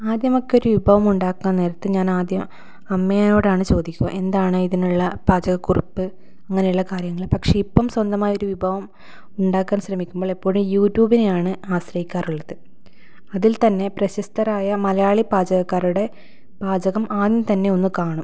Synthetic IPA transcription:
aːd̪jɐmo̞kːeo̞ɾuʋibʱɐʋɐmuɳɖaːkːunɐne̞ːɾɐt̪ːɨɲaːnaːd̪jɐm | ɐmːejano̞ːɽaːɳɨt͡ɕo̞ːd̪ikʲːuɣɐ̰ʔe̞nd̪aːɳɨiðinuɭːɐb̥aːd͡ʑɐɣɐkːurɐpːɨ | ɐŋːɐne̞juɭːɐkaːrjɐŋːɐɭpɐkʂe̞ipːɐmswɐnd̪ɐmaːjo̞ɾuʋibʱɐʋɐm | uɳɖaːkːaːnɕrɐmikʲːumboːɭipːoːɾumjuːtːjuːbinejaːɳɨaːɕrɐjikʲːaːruɭːɐðɨ | ɐðilt̪ɐnːe̞prɐɕɐst̪ɐraːjɐmɐlɐjaːɭibaːd͡ʑɐɣɐkːaːruɽe̞ | b̥aːd͡ʑɐɣɐmʔaːðnt̪ɐnːe̞o̞nːɨkaːɳum

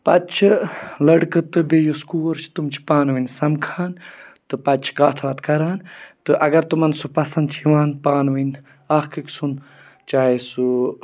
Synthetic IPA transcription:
pɐt̪t͡ʃʰilɐɽkɨt̪ɨbejoskuːɾt͡ʃʰi̥t̪umt͡ʃʰi̥paːnʋinsɐmkʰaːnt̪ɨpɐt̪t͡ʃʰi̥kaːt̪ʰʋɐt̪kɐɾaːnt̪ɨʔɐɡɐɾt̪umɐnsupɐsɐnd̪t͡ʃʰiʋaːnpaːnʋin | aːhkɨksun | t͡ʃaːɦeːsu

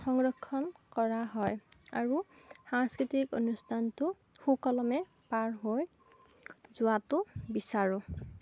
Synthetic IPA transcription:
xɔŋɹɔkʰːɔnkɔɹaɦɔja̰ɹuhãŋskɹitiko̰nustʰantʊ | hukɔlɔmɛ | paɹɦoj | zʊwatʊbisaɹu

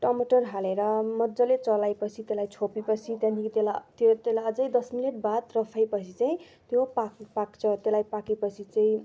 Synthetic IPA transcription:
ʈʌmʌʈʌrɦaleɾʌmʌdd͡zʌlet͡sʌlajpʌt͡sʰit̪elajt͡sʰopipʌt͡sʰit̪janikit̪elat̪jot̪elaʌd͡zʌjd̪ʌsmileʈ̚bad̪rʌpʰajpʌt͡sʰit͡saĩ | t̪jopakpakt͡sʰʌt̪elajpakipʌt͡sʰit͡saĩ

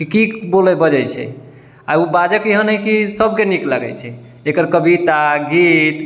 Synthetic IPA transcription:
kikibolɛbəd͡ʒɛjt͡ʃʰɛ̰ | aubad͡ʒəkiɦənɦəjkisəb̚keniklaɡɛ̰t͡ʃʰɛ | ekəɾkəbit̪aɡit̪

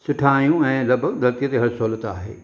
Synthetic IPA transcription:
sʊʈʰaːijũɛ̃ːlɐɡbʱəɡ̚d̪ʱɐɾt̪ijət̪eɦɐɾsoːlət̪a̰ːɦḛː

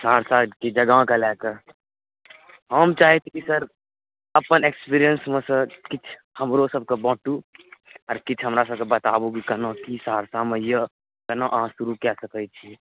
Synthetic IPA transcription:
saːɾsakid͡ʒəɡãkelɛkəɾ | ɦəmt͡ʃaːɦet͡ʃ̪ʰikisəɾ | əpənekspiɾijənsmẽsə̃kit͡ʃʰ | həmɾosəb̚ʱkebɔ̃ːʈu | ɔːɾkit͡ʃʰɦəmɾasəb̚kebət̪aːbukikənəkisaːɾsamejə | kənõʔãsuɾukɛsəkət͡ʃʰi

